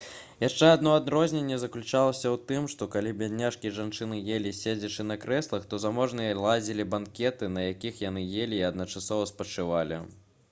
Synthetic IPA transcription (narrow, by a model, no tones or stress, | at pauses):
jaʂt͡ʂɛad̪nɔad̪ɾɔzʲnʲenʲːɛzɐklʲut͡ʂalˠɐsʲɐwt̪ɨmʂt̪ɔkalʲibʲadʲnʲːaʂkʲiɛʐant͡ʂɨnɨjelʲisʲed͡zʲɐt͡ʂɨnɐkɾɛslˠɐxt̪ɔzamɔʐnɨjɐlˠad͡zʲilʲibankʲɛt̪ɨnɐjakʲixjanɨjelʲiːɐd̪nɐt͡ʂasɔvɐspɐt͡ʂɨvalʲḭ